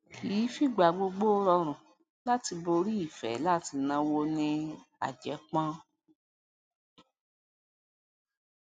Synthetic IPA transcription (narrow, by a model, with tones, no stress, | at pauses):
ki˨˦fi˦˨ɡ͡ba˨˧ɡ͡bo˧ɡ͡bo˦ɾɔ˧ɾ̃ũ˨ | la˦ti˧bo˧ɾi˦i˦˨fɛ̰˨˦la˦ti˧nã˧wo˧nĩ˧a̰˨d͡ʒɛ˨˦k͡pã˦